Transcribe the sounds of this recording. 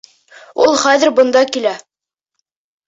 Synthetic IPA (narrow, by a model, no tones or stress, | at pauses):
ulˠχæðɘ̆ɾbɤ̆nd̪ɑkilæ